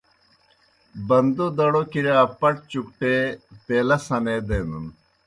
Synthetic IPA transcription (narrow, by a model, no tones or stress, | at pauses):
bɐnd̪od̪ɐɽokiɾaːpɐʈ̚t͡ɕukʈep̪eːlɐsɐned̪eːnun